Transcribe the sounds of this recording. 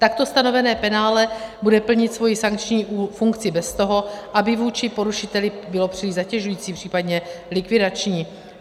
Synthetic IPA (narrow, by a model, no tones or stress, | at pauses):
t̪akt̪o̞st̪ano̞vɛnɛːpɛnaːlɛbudɛpl̩ɲɪt̪svo̞jɪsaŋkt͡ʃɲiːʔufuŋkt͡sɪbɛst̪o̞ɦo̞ʔabɪvuːt͡ʃɪpo̞ɾuʃɪt̪ɛlɪbɪlo̞pr̥ɪiːzacɛʒujiːt͡siːpr̥iːpadɲɛlɪkvɪdat͡ʃɲiː